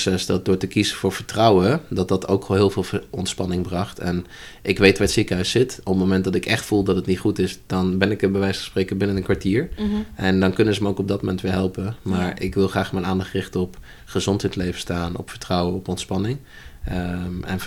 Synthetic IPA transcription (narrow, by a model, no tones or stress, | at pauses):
sɛsdɑdʊːɹtəkizəv̥ʊːɹvəɹtrɔwədɑt̚dɑtʰowkɦɪːlˠvɪːlˠɔntspɑnɪŋbrɑχtɛn | ʔɪkʋejtʋaːɹtsikəɦœɥsːɪtɔpəmomɛntdɑtɪkɛχtfulˠdɑtətnitχutɪsd̥ɑnbɛnɪkəbəʋɛjsχə̥spreːkəbɪnənənkʋaɹtiːɹʔɛndɑnkɵnəzəməowkɔb̚dɑt̚momɛntʋɪːɹɦɛlˠpəmaːɹɪkʋɪlˠχraːχmɛnaːndɑχtrɪχtəɔp | χəzɔntɦɛjtlejvəstaːnɔ̰pfə̥ɹtrɔwəɔpɔntspɑnɪŋ | ɛ̰n